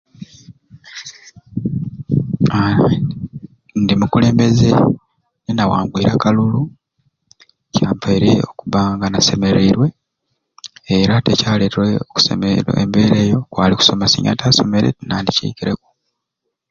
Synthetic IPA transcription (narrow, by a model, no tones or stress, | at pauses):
a | ndimukule̞ːmbe̞ze | nenawa̰ːŋɡwiːɾakalulu | caːmpaiɾe̞o̞kuβaːŋɡanase̞me̞ɾiɾwe̞ | ɾatecaːleːteoku̥semḛḛmbe̞ːɾeːjokwaːliku̥so̞masḭɲa̰taːso̞me̞ɾḛtnaːndicḭːkiɾe̞ku̥